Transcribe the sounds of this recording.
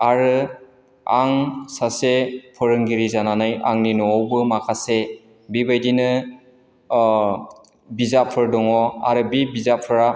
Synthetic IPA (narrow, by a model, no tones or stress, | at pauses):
aɾɯ | aŋsasepʰɯɾɯŋɡiɾizananaja̰ŋninɔɔwbɯmakʰase | bibajdinɯ | bizapʰɯɾdɔŋɔa̰ɾɯbibizapʰɯɾa